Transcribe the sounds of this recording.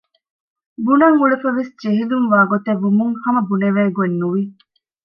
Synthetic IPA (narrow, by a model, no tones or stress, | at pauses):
bunɐŋuɭefɐʋesd͡ʒeɦilumʋaːɡot̪eʋːumuŋhɐmɐbuneʋeːɡuenːuʋi